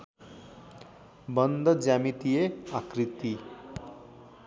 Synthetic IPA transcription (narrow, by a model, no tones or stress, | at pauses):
bənd̪əd͡zamit̪ijeakɾit̪i